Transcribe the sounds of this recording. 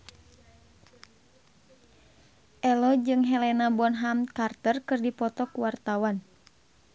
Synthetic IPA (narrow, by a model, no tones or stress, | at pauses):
ʔɛlɔd͡ʒɨŋɦɛlɛnabɔnɦamkart̪ərkɨrdipɔt̪ɔkuwart̪awan